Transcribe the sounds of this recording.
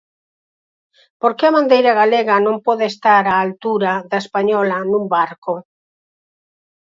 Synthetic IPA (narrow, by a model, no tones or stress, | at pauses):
poɾkeaβãnd̪ejɾaɣaleɣɐnõmpɔðeːst̪aɾaːlt̪uɾaðaespaɲɔlɐnũmbaɾko